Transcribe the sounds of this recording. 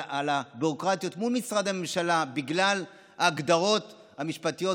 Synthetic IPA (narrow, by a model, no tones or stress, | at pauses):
ʔalabiʁo̞kʁat̪ijo̞t̪mulmisʁad̪hame̞mʃalabiɡlal | aːɡd̪aʁo̞t̪ | hamiʃpat̪ijo̞